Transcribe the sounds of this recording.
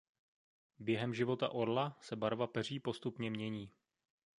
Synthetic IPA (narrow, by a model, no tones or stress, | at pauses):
bjɛɦɛmʒɪvo̞t̪a̰ʔo̞ɾlasɛbaɾvapɛr̝iːpo̞st̪upɲɛmɲɛɲiː